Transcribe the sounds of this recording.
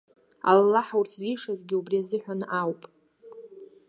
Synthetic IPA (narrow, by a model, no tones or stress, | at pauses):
a̰lalaħawrtʰzijʂazɡʲɪubriazɨħʷᶣanʔawpʼ